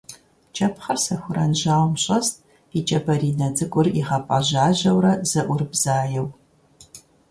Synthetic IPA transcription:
t͡ʃʼɐpχɐrsɐxʷʊɾɐnʑaːwmɕʼɐst̚ʼ | it͡ʃʼɐbɐriːnɐd͡zʼɨkʷʼʊriʁɐpʼɐ̰ʑaːʑɐwɾɐz̥ɐʔʷʊrbz̥aːjɛw

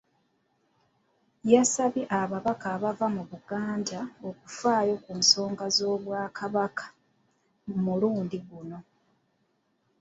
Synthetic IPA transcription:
jasaβiʔaβaβakaːβavamuβuɡaːndao̞kufaːjo̞kuːnso̞ːŋɡazo̞ːβwaːkʰaβakʰḁ | muluːndiɡuno̞

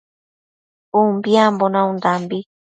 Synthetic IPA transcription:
umbjambonãũnd̪ambi

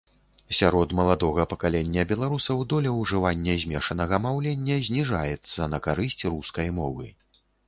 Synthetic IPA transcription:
sʲaɾɔt̪mɐlˠad̪ɔɣɐpɐkalʲenʲːɐbʲɛlˠaɾusɐwd̪ɔlʲɛwʐɨvanʲːɐzʲmʲɛʂɐnɐɣɐmawlʲenʲːɐzʲnʲiʐajɛt̪sːɐnɐkaɾɨsʲt͡sʲruskɐjmɔvɨ̰

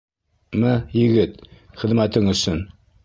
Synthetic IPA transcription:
mɘjɘ̆ɡɘt̪ | χɘ̆ðmæt̪ɘŋɵ̆sɵn

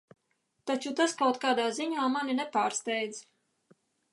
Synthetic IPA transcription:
t̪at͡ʃut̪askawt̪kaːd̪aːziɲaːmaninɛpaːɾst̪ɛjd̪z

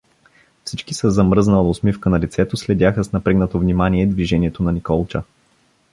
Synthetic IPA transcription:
fsit͡ʃkisəzɐmɾɤznəlˠosmifkənɐlit̪sɛt̪oslɛd̪ʲjaxəsnɐpɾɛɡnət̪ovnimaniɛd̪viʒɛniɛt̪onɐnikɔlˠt͡ʃə

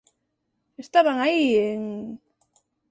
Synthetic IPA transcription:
est̪aβaŋaieŋ

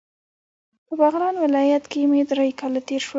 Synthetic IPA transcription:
pəbaɣɾɑnwɪlɑjat̪kemed̪ɾajkɑlat̪eɾʃwə

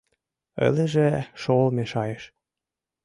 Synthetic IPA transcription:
ə̰ləʒeʃolmeʃɑjeʃ

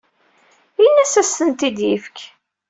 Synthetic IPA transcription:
inːæsæst̪ənt̪id̪jifk

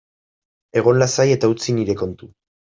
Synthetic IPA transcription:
e̞ɣ̞o̞nlasaje̞t̪aut͡siniɾe̞ko̞nt̪u

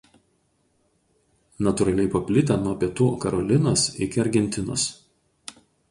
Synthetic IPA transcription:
nɐt̪ʊɾɐlʲɛɪpɐpʲlʲɪt̪ʲɛnuɔpʲiɛt̪uːkɐɾɔlʲɪnoːsɪkʲɪɐɾʲɡʲɛnʲt̪ʲɪno̰ːs

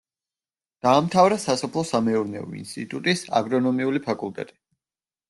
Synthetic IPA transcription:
d̪̥aːmt̪ʰavɾasasɔpʰlˠɔsamɛuɾnɛɔ̰ḭnst̪ʼit̪ʼut̪ʼisa̰ɡɾɔnɔmiulipʰakʼulˠt̪ʼɛ̰t̪ʼi̥

